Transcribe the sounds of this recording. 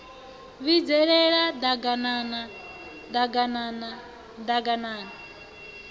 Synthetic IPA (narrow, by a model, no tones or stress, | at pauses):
βid͡zɛɺɛɺad̪aɡanana | d̪aɡanana | d̪aɡanaːna